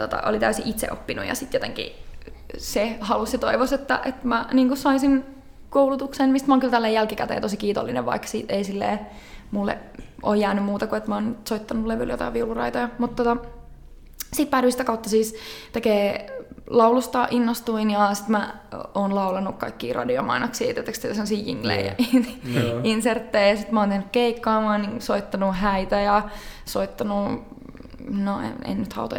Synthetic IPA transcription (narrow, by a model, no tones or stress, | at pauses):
t̪ot̪ɑ̰ʔo̰lit̪æysiʔit̪sḛʔopːinṵjɑ̰sit̪jot̪eŋkḭ | sehɑlusset̪oiʋoset̪ːæʔet̪mæniːŋkussɑisin | koulut̪uksenmist̪mæoŋkylt̪ælːeːjælkikæt̪ḛːt̪osikiːt̪o̰lːinḛʋʋɑ̰iksḭːt̪eisilːḛː | mulːḛʔoːjjæːnymmuːt̪ɑkuet̪mæoːnsoit̪ːɑnuleʋyljo̰t̪ɑ̰iʋiulurɑ̰it̪ojɑmut̪t̪ːot̪ɑ | siːt̪̚pæːɾysit̪ækɑut̪ːɑsiːst̪ekeːlɑulust̪ɑːʔinːost̪uinjɑsi̥t̪mæ | oːnlɑulɑnukkɑikːḭːrʔɑ̰dio̰mɑ̰inɑksiːt̪et̪ːækst̪et̪æsemːosiːjḭŋːlḛiɑ̰ininsert̪ːeijɑsit̪mæoːnt̪ehnːykkeikːɑːmɑoniŋsoit̪ːɑnuhæit̪æjɑsoit̪ːɑnu | noḛḛnnyt̪hɑ̰ut̪o̰